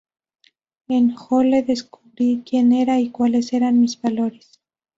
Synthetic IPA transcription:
enxole̞ðe̞skuβɾikje̞ne̞ɾaikwale̞se̞ɾanmizβalo̞ɾes

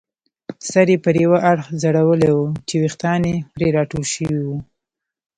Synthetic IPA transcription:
saɾepəɾewaʔaɽxzaɽawəlewut͡ʃewixt̪ɑnepɾeɾɑʈolʃəwiwu

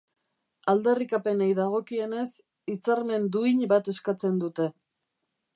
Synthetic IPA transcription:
ald̪e̞rikape̞najðaɣ̞o̞kie̞ne̞s | it͡saɾme̞nd̪uiɲbat̪e̞skat͡se̞nd̪ut̪e̞

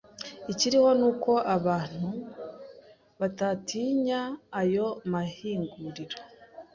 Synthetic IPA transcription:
iciɾiho̞nuːko̞ʔaβaːn̥hu | βatatiɲaːjo̞mahiːŋɡuɾiɾo

